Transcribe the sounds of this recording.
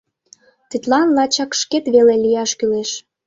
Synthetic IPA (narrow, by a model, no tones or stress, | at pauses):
t̪it̪lɑnlɑt͡ɕɑkʃket̪βelelijɑʃkyleʃ